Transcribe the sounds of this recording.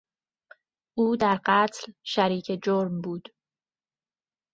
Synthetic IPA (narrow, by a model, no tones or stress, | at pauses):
ʔuːd̪æɾɢæt̪ʰlʃæɾiːcʰe̞d͡ʒoɾmbuːd̪̥